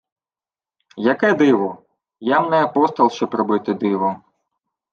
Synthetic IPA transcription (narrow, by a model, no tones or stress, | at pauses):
jɐkɛd̪ɪʋɔ | jamnɛɐpɔst̪ɐlˠʃt͡ʃɔpɾɔbɪt̪ɪd̪ɪʋɔ